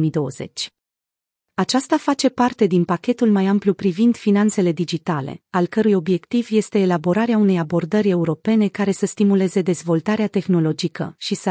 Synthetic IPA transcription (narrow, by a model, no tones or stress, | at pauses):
mid̪o̞əze̞̰t͡ʃʲ | at͡ʃast̪afat͡ʃe̞part̪e̞d̪inpakʲe̞t̪ulmajamplupɾivind̪̥finant̪se̞le̞d̪id͡ʒit̪ale̞̰alkəɾujo̞bje̞kt̪ivje̞st̪e̞ːlabo̞ɾaɾeaune̞jabo̞rd̪əɾʲe̞uɾo̞pe̞ne̞kaɾe̞səst̪imule̞ze̞d̪e̞zvo̞lt̪aɾeat̪e̞xno̞lo̞d͡ʒikə̰ʃisə